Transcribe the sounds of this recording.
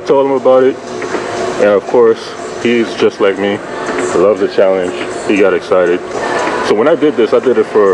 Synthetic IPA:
tʰoʊlˠdə̃məbaʊɾɪt̚ | ʔɨ̃nʌv̥kʰɔɹs | hizd͡ʒʌstˡlaɪk̚mi | lʌvzɨt͡ʃʰælˠɨ̃nʒ̥hiɡɑɾɨksaɪɾɨd̥̚soʊwə̃ñaɪdɨd̪̚ðɪsaɪdɨɾɨtfə˞

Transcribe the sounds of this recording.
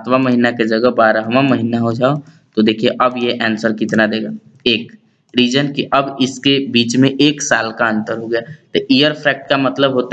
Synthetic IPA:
at̪ʰʋamɐɦinaked͡ʒɐɡəbaːɾaɦɐmamɐɦinaɦod͡ʒaːo | t̪od̪eːkʰieʔɐbjeʔɛːnsəɾkɪt̪nad̪eːɡaː | eːk | ɾiːd͡ʒənkiʔɐbɪskebiːt͡ʃmẽʔeːksaːlkaə̃nt̪əɾɦoɡɐjaːt̪oʔijəɾpʰɾɛːk̚ʈ̚kamɐt̪ləbɦoːt̪

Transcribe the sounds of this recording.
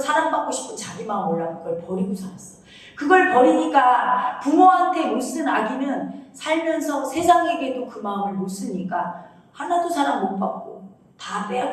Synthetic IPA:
sʰaɾaŋbak͈oɕʰi̥pʰɯnt͡ɕaɡimaɯmwʌɭːaɡɯɡʌɭpʌɾiɡosʰaɾas͈ʌ | kɯɡʌɭpʌɾiɲik͈apumoɦantʰe̞mos͈ɯnaɡinɯnsʰaɭmjʌnsʰʌsʰe̞sʰaŋe̞ɡedokɯmaɯmɯɭmos͈ɯɲik͈a | hanadosʰaɾaŋmop͈ak̚k͈o | tap͈ea

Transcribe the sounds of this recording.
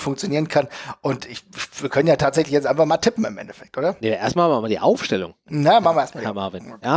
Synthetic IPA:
fʊŋkt͡sjoniːʁənkʰanʔʊntɪçviːɐkʰœnənjaːtʰaːtz̥ɛçlɪçjɛt͡sʔaɪnfaχmaːltʰɪpm̩ɪ̰mʔɛ̰ntɛfɛk̚tʔoːdɐneʔeːɐstmalmanmaɐdḭːʔa̰ʊfʃtɛlʊ̰ŋnajamaxχn̩vɐeɐtmahɛɐmaɐvɪnjaː

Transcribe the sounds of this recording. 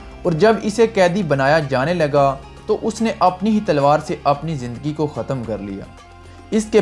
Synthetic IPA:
ɔːɾd͡ʒɐbɪsekɛːd̪ibɐnaːjad͡ʒaːnelɐɡa | t̪oʔʊsneʔɐpniɦit̪ɐlʋaːɾseʔɐpnizɪ̃nd̪əɡikoxɐt̪əmkɐɾlḭja̰ː | ɪske

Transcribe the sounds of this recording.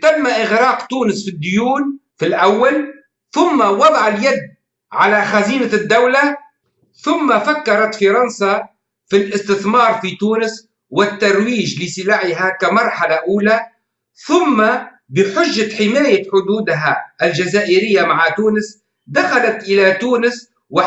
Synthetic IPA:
t̪amːaʔɪɣɾɑːqt̪uːnɪsfid̪ːʊjuːnfilʔawːal | θʊmːawɑd̪ˤɑʕaljad̪ː | ʕalaxaziːnad̪ːawla | θʊmːafakːɑɾˤɑt̪fɑɾˤɑnsa | filʔɪst̪ɪθmɑːɾˤfit̪uːnɪs | wɪt̪ːɑɾˤwiːʒlɪsɪlaːʕɪɦakamɑɾˤħalaʔuːla | θʊmːa | bɪħʊʒːaħɪmaːjaħʊd̪uːd̪ɦaʔald͡ʒazaːʔɪɾɪjːamaʕat̪uːnɪs | d̪axalat̪ʔɪlat̪uːnɪs | wɪ

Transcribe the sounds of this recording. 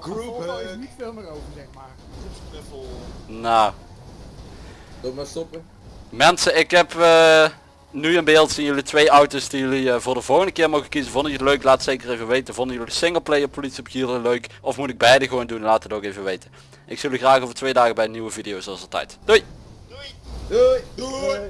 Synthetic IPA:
ɡunitfeːlˠmərovəzɛχmaː | naw | domastɔpə | mɛnsəɪkɦɛpə | nyənbɪːlˠtsinjɵlitʋejɑwtosdijɵliəvʊːɹdəvɔlˠɣəndəkɪːɹmoɣəkizənvɔndɪkətløɥklaːtətsejkərejvəʋejtənvɔndəjɵlisɪŋəlˠplejɔpolitsiɔpkiləløɥkɔfmutɪɡ̚bɛjdəɣʋowndunlaːtətowkejvəʋejtə | ʔɪksøldyxraːxoːvətʋejdaːɣəbɛjnyʋəvidijowsɔzəlˠtɛ̰jtduj

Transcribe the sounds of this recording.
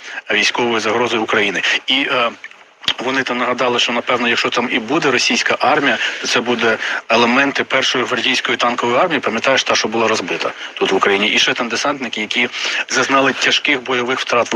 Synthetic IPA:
ʋʲijsʲkɔʋɔjizɐɦɾɔzɔjʊkɾɐjinɪi | ʋɔnɪt̪ɑmnɐɦɐd̪ɑlˠɪʃt͡ʃɔnɐpɛwnɔjɐkʃt͡ʃɔt̪ɑmibud̪ɛɾɔsʲijsʲkɐʔɑrmʲijɐt̪ɔt̪sɛbud̪ɛelˠemɛnt̪ɪpɛrʃɔjiʋɐrdʲijsʲkɔjit̪ɑnkɔʋɔjiɑrmʲijipɐmʲjɐt̪ɑjeʃt̪ɑʃt͡ʃɔbʊlˠɑɾɔzbɪt̪ɐt̪ut̪ʋʊkɾɐjinʲiʔiʃt͡ʃɛt̪ɐmd̪esɑnt̪nɪkɪjɐkʲizɐznɑlˠɪtʲɐʃkɪxbɔjɔʋɪxwt̪ɾɑt̪

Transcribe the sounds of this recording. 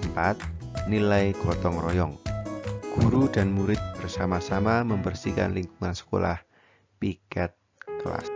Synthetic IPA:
əmpat̪̚ | nilajɡ̥ɔt̪ɔŋrɔjɔŋ | ɡ̥uɾud̥anmuɾɪt̪̚b̥ərsamasamaməmbərsika̰nliŋkuŋansə̥ko̰la̰h | pikɛt̪̚ | kla̰s

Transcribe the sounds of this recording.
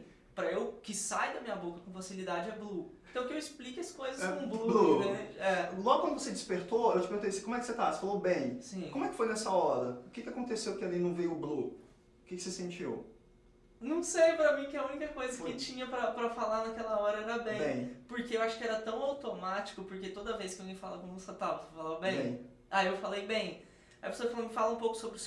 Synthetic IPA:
pɾɐewkɪsajd̪ɐmĩɲɐbokɐkõfasilid̪ad͡ʒɪɛbluẽt̪ɐ̃w̃kɪewisplikɐskojzɐssɛkõblublued̪ẽd͡ʒɛlˠɔɡʊkɐ̃nd̪ʊvosed͡ʒɪspeɾt̪oewt͡ʃɪpeɣɡũt̪ejsɪ̥kõmʊɛkɪ̥set̪ase̥falobẽj̃sĩkõmʊɛkɪ̥fojnɛsɐɔɾɐʊkɪkɪakõnt̪esewkɪalinɐ̃w̃vejʊblu | ʊkɪkɪ̥sesẽnt͡ʃiw | nɐ̃w̃sejpɾɐmĩkɪɐunikɐkojzɐkɪt͡ʃĩɲɐpɾɐpɾɐfalanɐkɛlɐɔɾɐɛɾɐbẽjẽj̃poɾkeewaʃʊ̥kɪɛɾɐt̪ɐ̃w̃awt̪omat͡ʃi̥kʊpoɾket̪od̪ɐves̬kɪwaɡẽj̃falɐkõmʊsat̪awposefalabẽjẽj̃ | ajewfalejbẽj̃ | ajɐpesoɐfalomɪfalɐũpowkʊ̥sobɾɪ

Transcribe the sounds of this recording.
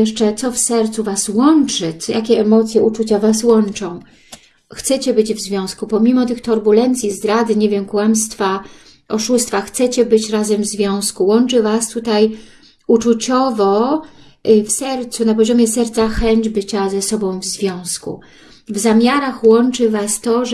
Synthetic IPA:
jɛʂt͡ʂɛt̪sɔfsɛɾt̪suvaswɔnt͡ʂɘjʔakʲɛɛmɔt̪sʲjɛut͡ʂut͡ɕavaswɔnt͡ʂɔ̃w̃ | xt̪sɛt͡ɕɛbɘd͡ʑvzvʲjɔ̃w̃skupɔmʲimɔt̪ɘxt̪ɔɾbulɛnt̪sʲjizd̪ɾad̪ɘɲevʲjɛmkwamst̪fa | ɔʂust̪faxt̪sɛt͡ɕɛbɘt͡ɕɾazɛmvzvʲjɔ̃w̃skuwɔnt͡ʂɘvast̪ut̪aj | ut͡ʂut͡ɕɔvɔ | fsɛɾt̪sunapɔʑɔmʲjɛsɛɾt̪saxɛɲd͡ʑbɘt͡ɕazɛsɔbɔ̃w̃vzvʲjɔ̃w̃skṵ | vzamʲjaɾaxwɔnt͡ʂɘvast̪ɔʐ

